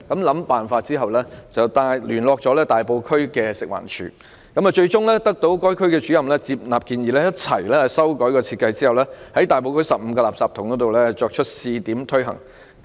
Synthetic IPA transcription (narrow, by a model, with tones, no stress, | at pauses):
kɐ˨˧˥mlɐ˨˥mpaː˨˩nfaː˧t̚t͡siː˥ɦɐ˨˩wlɛː˥t͡sɐ˨wt̪aː˧jlyː˨˩nlɔː˧k̚t͡sɔː˨˥lɛː˥t̪aː˨jpo˧wkʰɵ˥ɥkɛː˧sɪ˨k̚wa̰ː˨˩nt͡ʃʰy̰ː˨˥ | kɐ˨˥mɐ˨t͡ʃɵ˧ɥt͡sʊ˥ŋlɛː˥t̪ɐ˥k̚t̪o˨˥wkɔː˥jkʰɵ˥ɥkɛː˧t͡ʃy˨˥jɐ˨mlɛː˥t͡siː˧p̚naː˨p̚kiː˧njiː˨lɛː˥jɐ˥t̚t͡sʰɐ̰˨˩jlɛː˥˨sɐ˥wkɔː˨˥jkɔː˧t͡sʰiː˧t̚kɐ˧jt͡siː˥hɐ˨˩wlɛː˥hɐ˨˥jt̪aː˨jpo˧wkʰɵ˥ɥsɐ˨p̚m̩˧kɔ˧laː˨psaː˧p̚t̪ʰʊ˨˩ŋkɔː˨˥t̪o˨wlɛː˥t͡ʃɔː˧k̚t͡ʃʰɵ˥t̚siː˧t̪iː˨˥mt̪ʰɵ˥ɥɦɐ̰˨˩ŋ